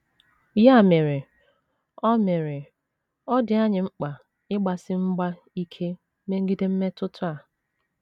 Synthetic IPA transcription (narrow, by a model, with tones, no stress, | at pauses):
ja˦˨me˨ɾɪ˨ | ɔ˦me˨ɾɪ˨ | ɔ˦dɪ˨a˦ɲɪ˨ŋ͡m̩˦k͡pa˨ | ɪ˦ɡ͡ba˨sɪ˦ŋ͡m̩˦ɡ͡ba˦ | i˦kʰe˦ | me˦ŋ̩˦ɡi˦de˦m̩˦me˦tʊ˦tʊ˦a˨